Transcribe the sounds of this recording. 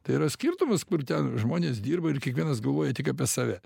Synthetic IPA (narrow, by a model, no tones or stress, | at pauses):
t̪ɐɪiːɾɐsʲkʲiːrt̪ʊmɐskʊrt̪ʲɛnʒmoːnʲeːsd̪ʲiːrbɐɪrkʲiɛkʋʲiɛnɐsɡɐlˠʋoːjɛt̪ʲɪkɐːpʲiɛsɑːʋʲɛ